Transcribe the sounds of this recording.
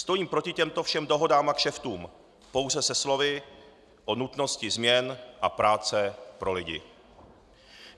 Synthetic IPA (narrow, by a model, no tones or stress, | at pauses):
st̪o̞jiːmpɾo̞cɪcɛmt̪o̞fʃɛmdo̞ɦo̞daːmakʃɛft̪uːm | po̞wzɛsɛslo̞vɪ | ʔo̞nut̪no̞scɪzmɲɛnʔapɾaːt͡sɛpɾo̞lɪɟɪ̰